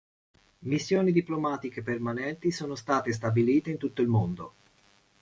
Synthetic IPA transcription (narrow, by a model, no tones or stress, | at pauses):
misːjoːnid̪iplomaːt̪ikepermanɛnt̪isoːnost̪aːt̪es̬t̪abiliːt̪eint̪ut̪ːoilmond̪o